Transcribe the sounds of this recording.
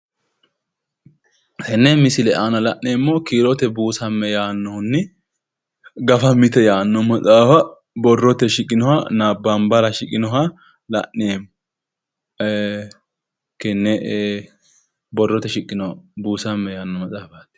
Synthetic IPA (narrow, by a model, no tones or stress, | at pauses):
hɛnːɛmɪsɪlɛʔaːnɐlɐʔneːmːɔkiːɾɔt̪ɛbuːsɐmːɛjaːnːɔhʊnːɪ | ɡɐfɐmɪt̪ɛjaːnːɔmɐt͡sʼaːfɐ | bɔrːɔt̪ɛʃɪkʼːɪnɔhɐnaːbːambɐlɐʃɪkʼɪnɔɦɐ | lɐ̰ʔːeːmːɔ | kɛnːɛ | bɔrːɔt̪ɛʃɪkʼːɪnɔbuːsɐmːɛjaːnːɔmɐt͡sʼaːfɐt̪ː